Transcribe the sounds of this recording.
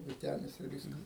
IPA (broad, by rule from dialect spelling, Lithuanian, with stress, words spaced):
ʋʲɪˈtʲæːnʲɪs ɪr ˈʋʲiːskɐs